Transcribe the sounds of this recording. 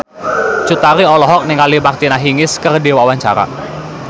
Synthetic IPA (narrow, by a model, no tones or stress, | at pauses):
t͡ʃut̪aɾiɔlɔɦɔk̚nɪŋalimakt̪inaɦiŋɪskərdiwawaɲt͡ʃaɾa̰